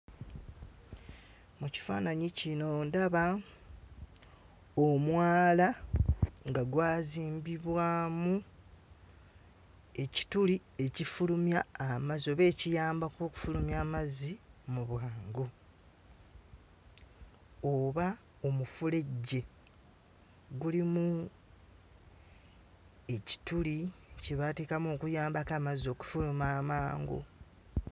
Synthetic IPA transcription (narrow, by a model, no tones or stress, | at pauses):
muci̥fa̰ːnaɲicino̞ndaβa | omwaːla | ŋɡaɡwaːziːmbiβwaːmu | e̞ci̥tulie̞cifulumjaːmazio̞βe̞ːcijaːmbakoːku̥fulumjaːmazimuβwaːŋɡo | oβa | omufule̞ɟːe̞ | ɡulimu | e̞ci̥tuliceβateːkamo̞ːkujaːmbakaːmazo̞ːku̥fulumaːmaːŋɡo̰